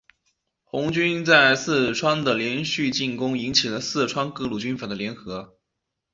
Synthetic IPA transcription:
xʊ˧˥ŋt͡ɕy˥nt͡sa˥˩ɪsɹ̩˥˩ʈ͡ʂʰwa˥ŋd̪ə˨ljɛ˧˥nɕy˥˧t͡ɕi˥˩nkʊ˥ŋi˧˥ŋt͡ɕʰi˨˩lə˦sɹ̩˥˩ʈ͡ʂʰwa˥nkɤ˥˧lu˨˩t͡ɕy˥nfa˨˩d̪ə˦ljɛ˧˥nxɤ˧˥

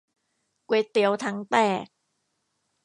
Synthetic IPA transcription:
kwe˦˥t̪i˦əwt̪ʰa˧˥ŋt̪ɛː˥˩k̚

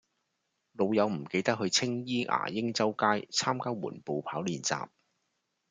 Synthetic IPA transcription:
lo˨˧wjɐ˨˧wm̩˨˩ke˧jt̪ɐ˥k̚hɵ˧ɥt͡sʰɪ˥ŋjiː˥ʔa̰ː˨˩jɪ˥ŋt͡sɐ˥wkaː˥jt͡sʰaː˥mkaː˥wmṵː˨˩npo˨wpʰaː˨˥wliː˨˩nt͡sa̰ː˨p̚

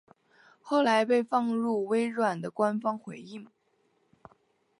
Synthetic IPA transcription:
xo˥˩ʊla˧˥ɪpe˥˧ɪfɑ˥˧ŋɻu˥˩we˥ɪɻwa˨˩nd̪ə˦kwa˥nfɑ˥ŋxwe˧˥ɪi˥˩ŋ

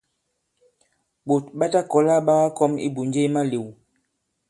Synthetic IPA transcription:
bo˨t̚ɓa˦ta˦kɔ˨la˦ɓa˦ɣa˦kɔ˦mḭ˦bu˨nd͡ʒe˦ma˦li˨w

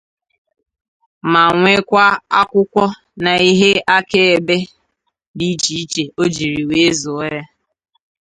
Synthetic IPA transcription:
ma˨ŋʷe˦kʷa˦a˦kʷʊ˦kʷɔ˦ | na˨i˦ɦe˦ʔa˦ke˦e˨be˦ | bi˦t͡ʃi˦i˦t͡ʃe˨o˦d͡ʒi˨ɾi˨we˦zo˨˦ɾa˦

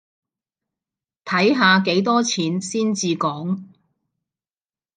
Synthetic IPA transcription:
t̪ʰɐ˨˥jɦaː˧ke˨˥jt̪ɔː˥t͡sʰiː˨˥nsiː˥nt͡siː˧kɔː˨˥ŋ

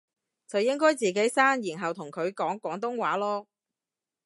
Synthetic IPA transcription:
t͡sɐ˨wjɪ˥ŋkɔː˥jt͡siː˨k̬e˨˥jsaː˥ŋjiː˨˩nɦɐ˨wt̪ʰʊ˨˩ŋkʰɵ˨˧ɥkɔː˨˥ŋkwɔː˨˥ŋt̪ʊ˥ŋwaː˨˥lɔː˥

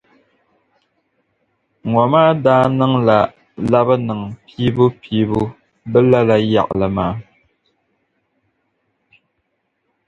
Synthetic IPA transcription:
ŋɔ˨maː˦daː˦nɨ˦ŋla˨ | la˦bɨ˦nɨ˨ŋpiː˦bu˦pʰiː˦bu˦ | bɛ˦la˦la˦ja̰˨ʔlɨ˨maː˦

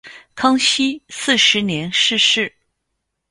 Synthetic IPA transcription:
kʰɑ˥ŋɕi˥sɹ̩˥˩ʂɻ̩˧˥njɛ˧˥nʂɻ̩˥˧ʂɻ̩˥˩

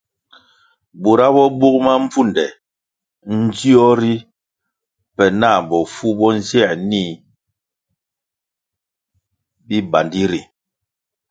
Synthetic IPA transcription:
bo˨ɾa˦bɔ˦bu˦k̚ma˦m̩˦b͡vu˦˨ndɛ˨ | n̩˦di˦ɔ˦ɾi˦ | pɛ˨na˦˨bɔ˨fu˦bɔ˦n̩˦zjɛ˦˨ni˦ | bi˦ba˨ndi˦ɾi˨

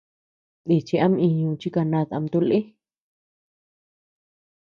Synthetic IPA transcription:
d̪i˨t͡ʃi˧a˦mĩ˧ɲũ˧˨t͡ʃi˦ka˧nã˧t̪a̰˧mt̪u˧lʔe˦

